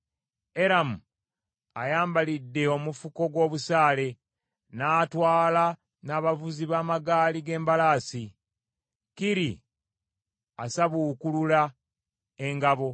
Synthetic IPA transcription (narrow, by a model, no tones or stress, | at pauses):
e̞ɾamu | ajaːmbalidːe̞o̞mufuko̞ɡwo̞ːβusaːle̞ | naːtwaːla | naːβavuziβaːmaɡaːliɡe̞ːmbalaːsi | kiɾḭ | asaβukulula | e̞ŋɡaβo̞